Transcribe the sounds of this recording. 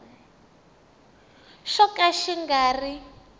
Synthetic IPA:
ʃɔkʼaʃiŋɡaːri

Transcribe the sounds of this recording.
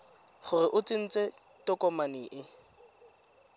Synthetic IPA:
χʊɾɪʔʊt͡sʼɪn̩t͡sʼe | tɔkʼɔmaniːʔɪ

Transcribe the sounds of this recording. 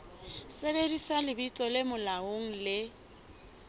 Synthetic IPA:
sebedisalɪbit͡sʼɔlɪmʊlaoŋ̩lɪ

